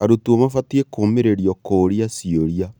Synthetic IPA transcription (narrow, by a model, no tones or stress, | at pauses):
aɾotuomafatiekomeɾeɾijɔkoːɾiasioɾia